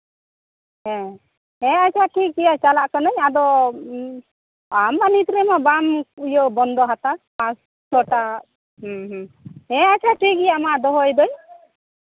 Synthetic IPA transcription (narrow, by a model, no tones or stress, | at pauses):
ɦɛ̃ | ɛat͡ʃʰaʈʰik̚ɡijat͡ʃalaʔkanɔɲad̪ɔ | amanit̪ɾɛmabamujɔbɔnd̪ɔɦat̪apãs | sɔʈa | ɦɦ | ɛ̃at͡ʃʰaʈʰik̚ijamaʔd̪ɔɦɔjd̪ɔj